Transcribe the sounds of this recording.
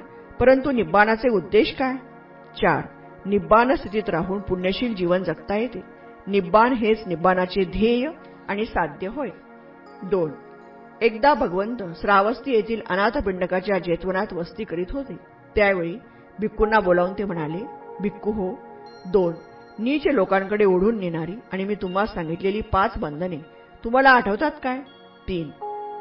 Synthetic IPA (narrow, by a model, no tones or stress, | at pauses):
pəɾənt̪unibanat͡seud̪ːeɕkaj | t͡ɕa̰ɾ | nibanəst̪ʰit̪iːt̪ɾaɦuːnpuɳjəɕiːld͡ʑiʋənd͡zəkt̪ajet̪e | nibːanɦet͡snibanat͡sed̪ʱejə | aɽ̃isad̪jəɦoj | d̪on | ek̚d̪abʱəɡəʋənt̪əsɾaʋəst̪iːjet̪ʰiːlə̰nat̪piɳɖəkat͡ɕjad͡ʑet̪ʋənat̪ʋəst̪iːkəɾiːt̪ɦot̪e | t̪jaʋeɭiː | bʱikːunːabolaʋuːnt̪em̤əɽ̃alebʱikːuɦod̪onː | it͡ɕelokãŋkəɽeoɽ̤uːnːeñaɾiːaɽ̃imiːt̪um̤asãŋɡit̪leliːpat͡sbənd̪ʱəne | t̪um̤alaːʈʰəʋt̪at̪kaj | t̪iːn